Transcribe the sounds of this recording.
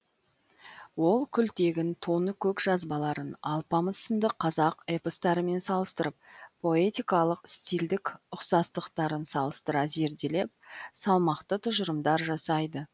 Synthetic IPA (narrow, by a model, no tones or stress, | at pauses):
wo̞lˠkʲʰʏlt̪e̞ɡʲɪnt̪ʰo̞nəkʲʰɵkʒɑzbɑlˠɑɾənɑlˠpɑməsənd̪əqʰːɑzɑqepost̪ɑɾəme̞nsɑlˠəst̪əɾəp̚pʰːo̞e̞t̪ʲijkɑlˠəqst̪ild̪ɪkʊqsɑst̪əqt̪ɑɾənsɑlˠəst̪əɾɑze̞ɾd̪e̞le̞p̚sɑlˠmɑqt̪ət̪ʰʊʒəɾəmd̪ɑɾʒɑsɑjd̪ə